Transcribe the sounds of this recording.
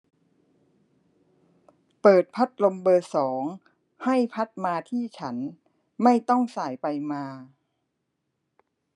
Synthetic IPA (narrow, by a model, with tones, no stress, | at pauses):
pɤː˨˩t̪̚pʰa˦˥t̪̚lo˧mbɤː˧sɔː˩˦ŋ | ha˥˩jpʰa˦˥t̪̚maː˧t̪ʰiː˥˩t͡ɕʰa˦˥n | ma˥˩jt̪ɔ˥˩ŋsaː˨˩jpa˧jmaː˧